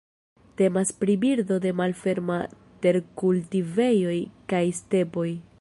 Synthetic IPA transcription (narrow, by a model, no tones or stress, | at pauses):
te̞maspɾibiɾdo̞de̞malfe̞ɾma | te̞ɾkultive̞jo̞jkajste̞po̞j